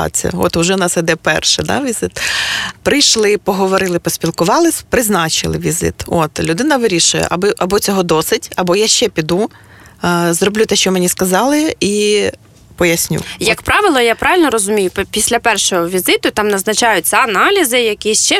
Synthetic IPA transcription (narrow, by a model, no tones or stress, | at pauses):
ɑ̰t͡sʲḭɐ̰ɔ̰t̪ʊʒɛnɑsid̪ɛpɛ̰rʃɪ̰d̪ɑ̰ʋʲizɪt̪pɾɪjʃlˠɪpɔɦɔʋɔɾɪlˠɪpɔsʲpʲilˠkʊʋɑlˠɪsʲpɾɪznɑt͡ʃɪ̰lˠɪʋʲizɪ̰t̪o̰t̪lʲʊd̪ɪnɐʋɪɾʲiʃʊjɛ̰ʔɐbɪʔɐbɔt͡sʲɔɦɔd̪ɔsɪdʲɐbɔjaʃt͡ʃɛpʲid̪u | zrɔblʲut̪ɛʃt͡ʃɔmenʲiskɐzɑlˠɪi | pɔjɐsʲnʲṵjɐkpɾɑʋɪlˠɔjapɾɑʋɪlʲnɔɾɔzʊmʲijʊppʲisʲlʲɐpɛrʃɔɦɔʋʲizɪt̪ʊt̪ɑmnɐznɐt͡ʃɑjʊt͡sʲɐɐnɑlʲizɪjɐkʲist͡ʃɛ